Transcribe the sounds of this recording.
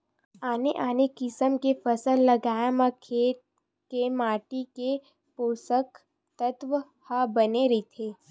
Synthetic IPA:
aːneʔaːnekɪsəmkefəsəlːɐɡaːjamakʰeːʈ̚ | kemaːʈike | poːsək | t̪ət̪ʋə | habɐneɾit̪ʰeː

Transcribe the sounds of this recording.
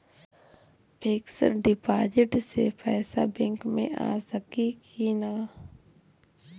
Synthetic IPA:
pʰeːksə̰ɾɖɪpaːd͡ʒɪʈsepʰɛːsabɛ̃ŋkmḛ̃ʔa̰ːsəkikinaː

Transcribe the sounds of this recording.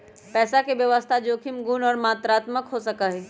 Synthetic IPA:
pɛːsakeʋjəʋəst̪ʰad͡ʒoːkʰimɡuːnɔːɾmaːt̪ɾaːt̪məkɦosəkəɦɛ

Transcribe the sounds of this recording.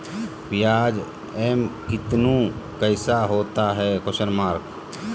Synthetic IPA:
bɪjaːd͡ʒ | ɛmkɪt̪nũkəɪsaɦoːt̪aɦɛːkʊʃəɾmaːɾk

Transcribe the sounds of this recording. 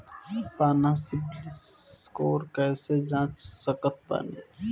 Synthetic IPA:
paːnasɪbliskoːɾkəɪsed͡ʒãːt͡ʃsəkət̪̚bə̰nḛː

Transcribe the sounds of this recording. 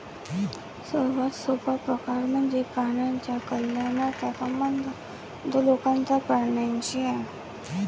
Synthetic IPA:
səɾʋat̪sopapɾəkaɾməɳd͡zekaɳjaɲt͡ɕjakəljanat̪at̪amənd̪ | d̪əlokãnt͡sapəɽɳjant͡ɕia

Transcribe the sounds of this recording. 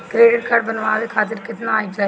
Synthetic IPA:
kɾeːɖɪʈ̚kʰaɾɖbənʋaːʋekʰaːt̪ɪɾkɪt̪nãːĩd͡ʒla

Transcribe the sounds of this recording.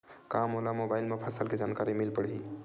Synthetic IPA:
kamɦolamobajlmepʰasəlked͡ʒankaɾimilpəɽɦi

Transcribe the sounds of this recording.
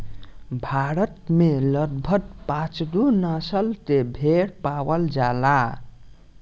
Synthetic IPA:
bʱaɾət̪meləd̪̚bʱət̪̚pat͡ʃd̪unasəlt̪ebʱeɽpawəld͡ʒala

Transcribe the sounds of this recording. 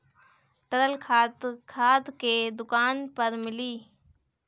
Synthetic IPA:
t̪əɾəlkʰaːt̪kʰaːt̪keːd̪ʊkaːnpɐɾmɪliː

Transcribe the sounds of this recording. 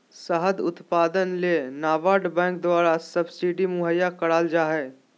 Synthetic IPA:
səɦəd̪ʊ̰t̪paːd̪ənleːnaːʋaːɾɖbɛ̃ːŋk̚d̪waːɾasɐbsiɖimʊɦəjːakɐɽaːld͡ʒaːɦɛː

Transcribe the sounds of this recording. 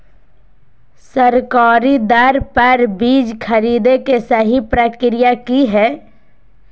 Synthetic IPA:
səɾkaːɾid̪əɾpəɾbiːd͡ʒkʰəɾiːd̪ekesəɦipɾəkɾɪjakiɦɛː

